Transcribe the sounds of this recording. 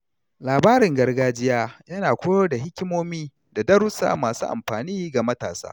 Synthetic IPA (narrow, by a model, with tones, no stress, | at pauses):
laː˨baː˦ɾɪ˨ŋɡɐ˦rɡaː˦d͡ʒɪ˦jaː˦jɐ˦naː˨kʷʊ˦joː˦da˨ɦɪ˦kʲɪ˦moː˦miː˦ | da˨dɐ˦ɾʊ˦sa̰ː˨maː˨sṵː˦ʔa̰˨mɸaː˨niː˦ɡa˨mɐ˦ta̰ː˨sa̰ː˦